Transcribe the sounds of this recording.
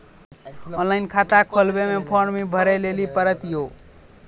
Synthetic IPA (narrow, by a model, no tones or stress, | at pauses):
ɔ̃nlainkʰat̪akʰolbemepʰoɾmibʱəɾelelipəɾət̪jo